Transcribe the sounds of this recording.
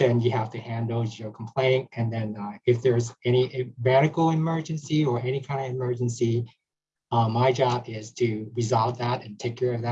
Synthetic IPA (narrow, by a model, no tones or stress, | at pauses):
ðɨ̃njɨhæftɨhæ̃ndl̩ˠjəkʰm̩pʰl̥ẽɪ̃nɨ̃nðɨ̃nʌɨfðə˞zɛɾ̃iʔɨvænɨkl̩ˠɨmɜ˞d͡ʒɨ̃nsiə˞ʔɛñikʰãɪ̃ndʌvɨmɜ˞d͡ʒɨ̃n̩si | ʌmaɪd͡ʒɑbɪz̥tʰɨɹɨzɑlˠtðæɾɨ̃ntʰeɪkʰɛɹʌvðɨ